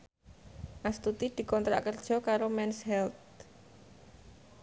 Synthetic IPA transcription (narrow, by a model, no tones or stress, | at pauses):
ʔast̪ut̪id̪̥i̤kɔnt̪ɾa̰ʔkərd̥ʒ̥ɔ̤kaɾomɛnshɛlt̪̚